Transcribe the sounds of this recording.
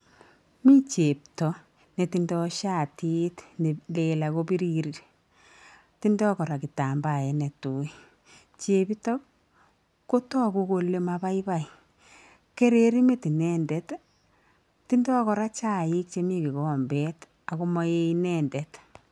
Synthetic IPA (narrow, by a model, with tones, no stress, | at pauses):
mi˦t͡ʃe˨p̚tɔ˨ | ne˨ti˨ndɔʃa˦˨ti˦tne˨le˨la˨ko˦bi˦ɾi˦ɾi˨ɾ | ti˦ndɔ˦kɔ˨ɾa˨ki˨ta˨mba˨ɛ˨nɛ˨tu˨˦i˦ | t͡ʃe˨bi˦tɔ˦k | kːo˦tɔ˦ku˦ko˧le˦maba˦i˦ba˨i˨ | ke˦ɾe˨ɾi˦me˦ti˨nɛ˦ndɛ˨t | ti˦ndɔ˦kɔ˨ɾa˦t͡ʃa˦˨i˦k̚t͡ʃe˨˦mi˦ki˨ɣɔː˦mbɛ˦t | a˨ko˦mɔ˦e˦inɛ˦ndɛ˨t